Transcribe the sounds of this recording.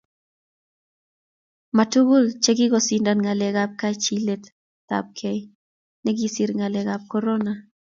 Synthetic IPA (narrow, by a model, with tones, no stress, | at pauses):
ma˨tu˦ɡu˦lt͡ʃe˦ɡɪ˦ɡɔ˨si˨nda˨nŋa˨lɛ˨ɡap̚ka˦t͡ʃi˦le˦t | ta̰˨p̚kʰɛ˦j | nɛ˦ɡi˨si˨ɾŋa˨lɛ˨ɡap̚kɔ˦ɾɔ˦na˨